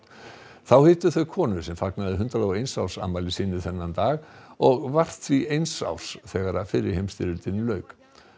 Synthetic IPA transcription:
θawhɪːt̪ʏθœɥkʰɔːnʏsɛmfaknaðʏɦʏnt̪ɾalawejnsawr̥sa̰maːjlɪsɪːnʏθɛnːant̪aːɣɔɣvar̥t̪θviejnsa̰wr̥sθɛːɣaɾafɪɾɪɾ̥hejmst̪ɪɾʏlt̪ɪnːʏlœːɥk

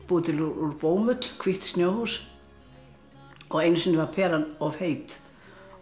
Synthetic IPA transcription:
puːt̪ʰɪluuɾpoːwmʏt̪l̥kʰv̥iht̪st̪njoːwhus | ɔɣejnsʏnɪvaɾpʰɛːɾanɔv̥heːjt̪

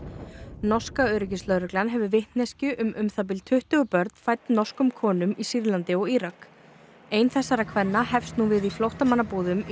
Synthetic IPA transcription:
nɔ̥skaœːɾɪc̬ɪslœɾɛklanɦɛvʏvɪht̪nescʏʔʏmʏmθap̬ɪlt̪ʰʏht̪ʏɣʏpœɾt̪n̥fajt̪nnɔ̥skʏmkʰɔːnʏmisiɾlant̪ɪɔɣiɾak | ejnθɛsːaɾakʰvɛnːahɛfst̪nuvɪðiflowht̪amanːapuːðʏm

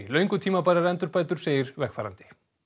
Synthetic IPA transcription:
lœɥŋkʏt̪ʰiːmapaːjɾaɾɛnt̪ʏɾpaːjt̪ʏɾ̥seːjɪɾvɛxkfaːɾa̰nt̪ɪ̥

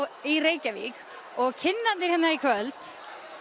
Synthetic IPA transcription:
ireːjcavḭk | ɔɣcʰɪnːant̪ɪɾ̥hɛnːaikʰvœlt̪

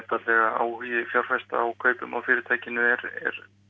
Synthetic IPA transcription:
ɛt̪alɛɣaa̰whiɪfjawɾ̥fɛst̪a̰ːwkʰœːɥpʏma̰wfɪːɾɪɾt̪ʰaːjcɪnʏɛɾɛ̰ɾ̥

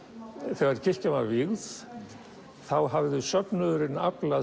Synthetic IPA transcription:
θɛɣaɾcʰɪ̥camavɪɣð | θawɦavðʏsœpnʏðʏɾɪnːapla

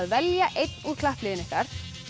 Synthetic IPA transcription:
ðvɛljaʔejt̪nuɾkʰlahplɪjɪnɪhkaɾ̥

